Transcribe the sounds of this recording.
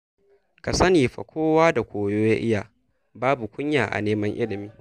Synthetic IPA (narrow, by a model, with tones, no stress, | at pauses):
ka˨sɐ˦niː˨ɸɐ̰˨kʷʰoː˦waː˦da˨kʷoː˨joː˦ja˦ʔɪ˦ja˨ | baː˦bu˨kʷʊ˦ɲjaː˨ʔa̰˨neː˦mɐ˦ŋʔɪ˦lɪ˨miː˦